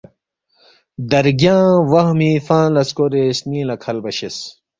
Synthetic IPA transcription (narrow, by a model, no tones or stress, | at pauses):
d̪ɐɾɡjãːwɐɦmiːfãːlɐskoɾesniːlɐkʰɐlbɐɕes